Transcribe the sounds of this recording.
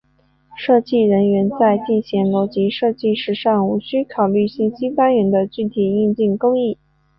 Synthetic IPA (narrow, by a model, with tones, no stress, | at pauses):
ʂɤ˥˧t͡ɕi˥˩ɻə˧˥nɥɛ˧˥nt͡sa˥˧ɪt͡ɕi˥˩nɕjɛ˧˥ŋlo˧˥ʊt͡ɕi˧˥ʂɤ˥˧t͡ɕi˥˩ʂɻ̩˧˥ʂɑ˥˩ŋu˧˨˩ɕy˥kʰɑ˨˩ʊly˥˩ɕi˥˩nɕi˥fa˥nɥɛ˧˥nd̪ə˧t͡ɕy˥˩t̪ʰi˨˩i˥˧nt͡ɕi˥˩ŋko˥ŋi˥˩